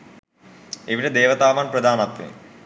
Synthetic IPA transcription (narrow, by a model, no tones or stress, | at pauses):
iʋiɾed̪eːʋɐt̪aːmaːnprɐd̪ʱaːnɐt̪ːḭ